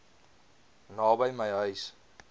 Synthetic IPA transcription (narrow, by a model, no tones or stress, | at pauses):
nɑːbəjməjɦœɥs